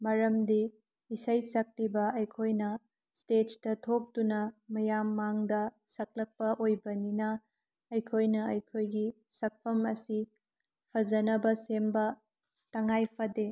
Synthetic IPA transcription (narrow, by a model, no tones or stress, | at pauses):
mɐɾɐmdiː | sɐjsɐk̚ɾibɐɐjkʰojnɐ | stettɐtʰok̚tunɐmɐjamːaŋdɐsɐk̚lɐk̚pɐʔojbɐninɐ | ɐjkʰojnɐɐjkʰojɡi | sɐk̚pʰɐmɐsi | pʰɐzɐnɐbɐsembɐ | tɐŋajpʰɐde